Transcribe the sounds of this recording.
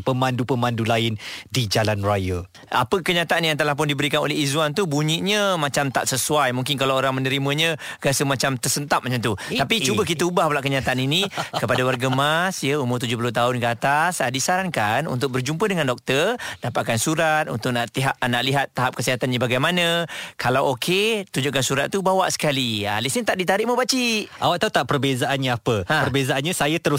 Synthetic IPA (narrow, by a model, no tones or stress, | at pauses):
pəmãndupəmãndulaɪndid͡ʒalanrajə | a̰pəkəɲat̪aʔanjaŋt̪̬alahp̬ʊndibəɾikano̰lɛɦizwant̪ubuɲiʔɲə̃mãt͡ʃamt̪a̰ʔsəsuajmuŋkɪnkalawoɾaŋmənəɾimə̃ɲə̃kəasəmat͡ʃamt̪ərsənt̪ap̚mat͡ʃamt̪ut̪apit͡ʃubəkit̪əubahplaʔkəɲat̪aʔaninikəpadawarɡamasjəumʊrt̪ud͡ʒʊhpulʊht̪aɦʊnkəat̪asadisaɾankanṵnt̪ʊk̚bərd͡ʒumpədəŋandɔk̚t̪ərdapaʔ̪̚kansuɾat̪̚ṵnt̪ʊk̚naʔt̪iɦap̚naʔliɦat̪ːaɦap̚kəsiɦat̪anɲabaɡajmanə̃kʰalawokʰet̪uɲd͡ʒʊʔkansuɾat̪̚ːubawaʔsə̥kalialisnit̪aʔdit̪aɾɪʔməbat͡ʃiʔa̰waʔt̪aut̪aʔpərbezaʔanɲaapəãəərbezaanɲasajat̪əɾʊ